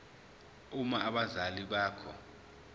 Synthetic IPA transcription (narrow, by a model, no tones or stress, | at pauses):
umaːɓazaliɓaːkʰɔ̰